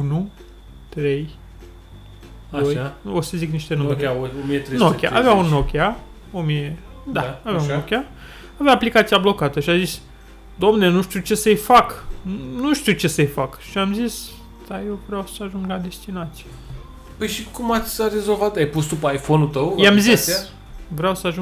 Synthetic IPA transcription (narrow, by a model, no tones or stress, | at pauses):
unu | t̪ɾe̞j | ojaosəzikniʃt̪enueɾʲaoomiet̪ɾenokʲja̰ʔa̰veaunːokʲea | omije | d̪aaveauokʲa | avaːplikat̪sijablo̞kat̪əʃiazis | d̪omnenuʃt̪iut͡ʃe̞səjfaknuʃt̪iut͡ʃe̞səjfakʃiamzis | d̪̥ajewvɾeawsəaʒuŋɡlad̪e̞st̪inat̪sije | pəjʃikumat̪sʲre̞zolvat̪ajpust̪d̪upəajfonut̪əwjamzis | vɾeawsəaʒu